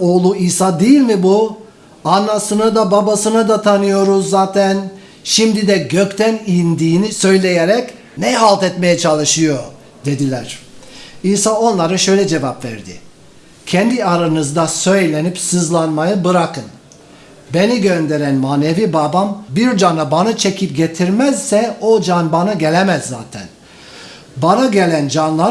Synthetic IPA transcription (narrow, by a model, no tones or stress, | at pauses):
oːlˠuiːsaːd̪ejilʲmibu | anːasɯnɯd̪ababasɯnad̪at̪ʰanɯjo̞ɾuzːaːt̪ʰæn | ʃimd̪id̪ɛɟøct̪ʰænind̪iːnisø̞jlʲe̞jeɾɛc | nɛɦalˠt̪ɛt̪me̞jɛt͡ʃʰalˠɯʃɯjo̞ | d̪e̞d̪ilʲæɾ̥iːsaːo̞nlˠaɾɯʃø̞jlʲɛd͡ʒe̞vapvæ̰ɾd̪ɪ̰ | cʰɛnd̪iaɾanɯzd̪asø̞jlʲe̞nipsɯzlˠanmajɯbɯɾakʰɯn | be̞niɟønd̪e̞ɾænmaːne̞vibabambiɾd͡ʒanabanat͡ʃʰecʰip̚ɟe̞t̪ʰiɾmæzsɛod͡ʒanbanaɟelʲemæzːaːt̪ʰæ̰n | banaɟe̞lʲænd͡ʒanlˠa